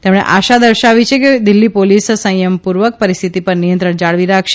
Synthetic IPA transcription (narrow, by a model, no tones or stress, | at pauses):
t̪emɽ̃ḛʔaʃad̪əɾʃaʋit͡ʃʰeked̪ilːipolissə̃jəmpuɾʋək̚pəɾist̪ʰit̪ipəɾnijənt̪ɾəɳd͡ʒaɭʋiɾakʰʃe